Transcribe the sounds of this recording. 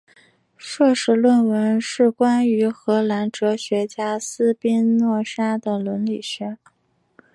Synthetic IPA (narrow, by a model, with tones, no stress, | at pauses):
ʂɤ˥˧ʂɻ̩˥˧lwə˥˩nwə˧˥nʂɻ̩˥˩kwa˥ny˧˥xɤ˧˥la˧˥nʈ͡ʂɤ˧˥ɕɥɛ˧˥t͡ɕja˥sɹ̩˥pi˥nnwɔ˥˩ʂa˥d̪ə˨lwə˧˥nli˨˩ɕɥɛ˧˥